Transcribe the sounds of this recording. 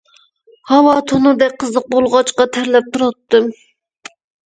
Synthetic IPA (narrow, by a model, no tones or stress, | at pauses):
hɑwɑt̪ʰonɨd̪ɛk̚ʲqʰəzlˠəq̚bolˠʁɑt͡ʃqɑt̪ʰæɾlɛp̚t̪ʰuɾɑt̪ːɨm